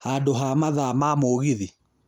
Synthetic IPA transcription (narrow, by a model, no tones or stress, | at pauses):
hadoɦamaðamamoːɣiði